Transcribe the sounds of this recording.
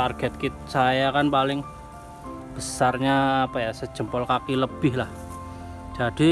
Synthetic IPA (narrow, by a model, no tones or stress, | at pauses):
arɡ̥ɛt̪̚kit̪̚sajakanpalɪŋ | b̥əsarɲaːpajasə̥d͡ʒ̥ə̤mpɔlkakiləb̥ɪhlah | d͡ʒ̥ad̥i